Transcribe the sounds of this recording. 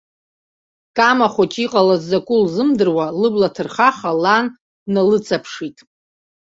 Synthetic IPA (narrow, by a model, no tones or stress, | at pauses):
kʼamaχʷat͡ʃʼiqʼalazːakʷʼʊlzɨmdɨrwalɨblatʰɨrχaχalanː | alɨt͡sʼapʰʂitʼ